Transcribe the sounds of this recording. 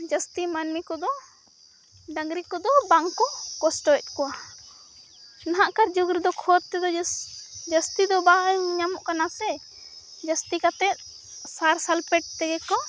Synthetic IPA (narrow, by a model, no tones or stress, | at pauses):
d͡ʒəst̪imanmikɔd̪ɔ | ɖəŋɡɾikɔd̪ɔbaŋkɔkɔsʈɔɛt̪̚ˀkɔa | naɦaʔkaɾd͡ʒuɡɾid̪ɔkʰɔd̪̚t̪ɛd̪ɔ | d͡ʒəst̪id̪ɔbaɲamɔʔkanasɛ | d͡ʒəst̪ikat̪ɛt̪̚ | saɾsalpɛʈ̚t̪ɛɡɛkɔ